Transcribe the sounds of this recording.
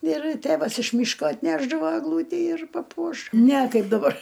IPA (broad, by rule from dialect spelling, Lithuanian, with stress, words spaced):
ɪr ˈtʲeːʋɐs ɪʃ ˈmʲiːʃkoː ɐtʲˈnʲæːʒdɐʋoː ɛɡˈlˠuːtʲiː ɪr pɐˈpuɔʃ nʲɛ ˈkɐɪp dɐˈbɐr